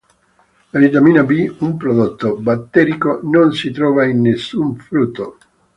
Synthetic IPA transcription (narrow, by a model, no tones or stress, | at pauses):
lavit̪amiːnabiumpɾod̪ot̪ːobat̪ːɛɾikononsit̪ɾɔːvainːesːuɱfɾut̪ːo